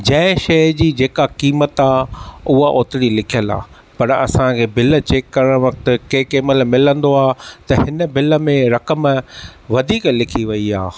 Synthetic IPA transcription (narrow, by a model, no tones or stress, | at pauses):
d͡ʑɐ̃ɪ̃ʃɐɦd͡ʑiːd͡ʑeːkakiːmət̪aːʊɦaʔoːt̪ɪɽilɪkʰijəla̰ː | pɐɾɐ̰sãkʰeːbɪlt͡ɕeːkːɐɾəɽ̃ʋɐk̚t̪̆keːkeːməlmɪlə̃nd̪oaːt̪ɐɦɪnə̆bɪlə̆mẽɾɐkəmʋɐd̪ʱiːklɪkʰiʋɐiaː